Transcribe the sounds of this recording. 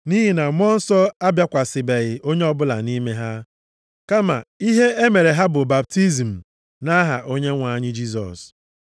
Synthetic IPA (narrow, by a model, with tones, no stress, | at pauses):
ni˦ɦi˨na˨mɔ˦n̩˦sɔ˦a˦bja˦kʷa˨sɪ˨be˨ɣɪ˨ʔo˦ɲe˦ɔ˦bʊ˦la̰˨ni˦me˦ɦa˦ | ka˦ma̰˨i˦ɦe˦e˦me˨ɾe˨ɦa˦bʊ˨ba˨p̚ti˦zm̩˨ | na˦ɦa˨ʔo˦ɲe˦ŋʷa˨˦ɲɪ˦d͡ʒi˦s̬ɔ̰˨s